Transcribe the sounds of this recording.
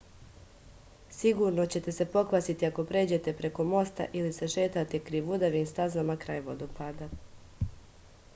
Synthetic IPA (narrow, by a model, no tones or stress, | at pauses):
siɡuɾno̞t͡ɕe̞t̪e̞se̞po̞kʋasit̪iako̞pɾe̞ːd͡ʑe̞t̪e̞pɾe̞ko̞mo̞st̪a̰ʔilise̞ʃe̞ːt̪at̪e̞kɾiʋud̪aʋiːmst̪azamakɾaːjʋo̞̰d̪oɡ̥paːd̪a